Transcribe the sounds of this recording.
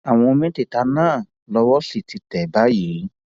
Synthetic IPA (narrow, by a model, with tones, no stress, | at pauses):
a˨w̃ɔ̃˧mĩ˦te˦˨ta˧nãː˦˨ | lɔ˧wɔ˦si˦˨ti˧tɛ˨ba˨˦ji˨˦